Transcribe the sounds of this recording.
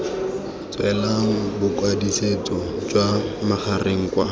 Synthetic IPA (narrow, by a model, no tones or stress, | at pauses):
t͡swɛlaŋ̩bʊkwadiset͡sɔd͡ʒwamaχʰarʔeŋ̩kwa